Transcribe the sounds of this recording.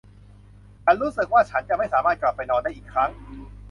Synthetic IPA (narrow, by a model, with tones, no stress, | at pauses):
t͡ɕʰa˧ɾuː˦˥sɯ˨˩k̚waː˥˩t͡ɕʰa˦˥nt͡ɕa˨˩ma˥˩jsaː˩˦maː˥˩t̪̚kla˨˩pːa˧jnɔː˧nda˥˩ʔiː˨˩kʰɾa˦˥ŋ